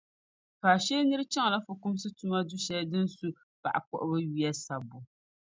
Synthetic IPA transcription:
kaː˨ʃɛ˦nɨ˦ɾɨ˦t͡ʃɛ˦ŋ˨la˦fʊ˨kʊ˦m˦sɨ˦tu˦ma˦dʊ˦ʃɛ˦dɨ˦n˦su˦ | pa̰˨ʔa˨kɔ̰˦ʔʊ˦bɨ˦ɥi˦jɛ˦sa˨bʊ˨

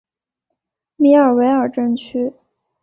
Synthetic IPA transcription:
mi˧˥ə˞˨˩we˧˥ɪə˞˨˩ʈ͡ʂə˥˧nt͡ɕʰy˥

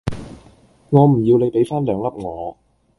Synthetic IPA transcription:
ŋɔː˨˧m̩˨˩ji˧wle˨˧˥jpe˨˥jfaː˥nlœː˨˥ŋlɐ˨˩p̚ŋɔː˨˦

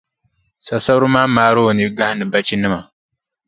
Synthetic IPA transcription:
sa˨sa˦ɾɨ˦maː˦maː˨˦ɾo˦˨ni˦ɡa˦hɪ˦nɨ˨ba˦t͡ʃi˦nɨ˦ma˨

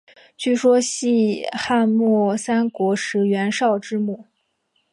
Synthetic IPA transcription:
t͡ɕy˥˩ʂwɔ˥ɕi˥˧xa˥˧nmwɔ˥˩sa˥nkwɔ˧˥ʂɻ̩˧˥ɥɛ˧˥nʂɑ˥˩˧ʊʈ͡ʂɻ̩˥˧mu˥˩

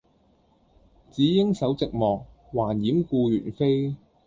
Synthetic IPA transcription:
t͡siː˨˥jɪ˥ŋsɐ˨˥wt͡sɪ˨k̚mɔː˨k̚ | waː˨˩njiː˨˥mkuː˧jyː˨˩nfe˥j

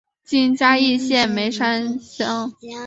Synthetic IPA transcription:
t͡ɕi˥˩nt͡ɕja˥i˥˧ɕjɛ˥˩nme˧˥ɪʂa˥nɕɑ˥ŋ

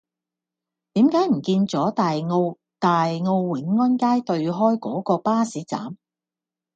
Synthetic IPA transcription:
t̪iː˨˥mkaː˨˥jm̩˨˩kiː˧nt͡sɔː˨˥t̪aː˨jŋo˧w | t̪aː˨jŋo˧wwɪ˨˥ŋːɐ˥nkaː˥jt̪ɵ˧ɥɦɔː˥jkɔː˨˥kɔː˧paː˥siː˨˥t͡sa̰ː˨˥m

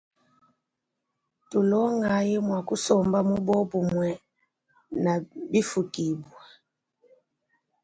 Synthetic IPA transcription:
tu˨lɔ˦ŋa˨ji˦mwa˨ku˦sɔ˨mba˦mu˦bɔ˦bu˨mwɛ˨ | na˨bi˦fu˨ki˨bwa˨

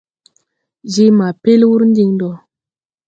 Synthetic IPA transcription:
zi˦ma˨pe˦lwu˦ɾn˦di˦ŋdɔ˨

